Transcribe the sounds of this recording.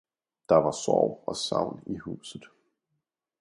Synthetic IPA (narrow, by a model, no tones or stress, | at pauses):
d̥ɑ̈ʋɑ̈sɒʊ̰ɒsɑ̰̈ʊ̰nihṵːsð̩ˠ